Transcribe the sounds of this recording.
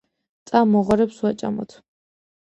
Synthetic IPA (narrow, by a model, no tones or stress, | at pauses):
t̪sʼamɔʁaɾɛpswat͡ʃʼa̰mɔ̰t̪ʰ